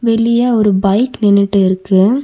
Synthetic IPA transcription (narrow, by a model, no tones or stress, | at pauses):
ʋɛɭɪjaːɔɾɯbɐɪknɛnːɯʈːɯɪɾɯkːɯ